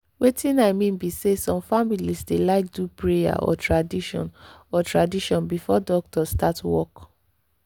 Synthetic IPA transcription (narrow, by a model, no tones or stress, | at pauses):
wetĩnaɪmĩnbisesɔ̃mfamilisdelaɪk̚dupɹeja̰ʔɔ̰tʰɹadiʃɔ̰̃nɔtɹadiʃɔ̃nbifɔdɔk̚tɔstatwɔ̰k